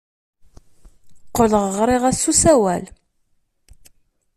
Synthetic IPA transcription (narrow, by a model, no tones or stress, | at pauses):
qːələʁəʁɾˤɪʁæsusæwæl